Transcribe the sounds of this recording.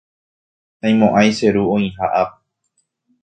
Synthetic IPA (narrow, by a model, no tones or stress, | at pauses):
ãj̃mõʔajse̞ɾuõĩhaʔap̚